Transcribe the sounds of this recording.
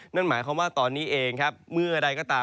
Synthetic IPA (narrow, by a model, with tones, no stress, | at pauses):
na˥˩nmaː˩˦jkʰa˧˦waː˥˩t̪ɔː˧nːiː˦˥ʔeː˧ŋkʰa˦˥p̚mɯ˥˩ɐʔa˧ɾa˧jkɔː˥˩t̪aː˧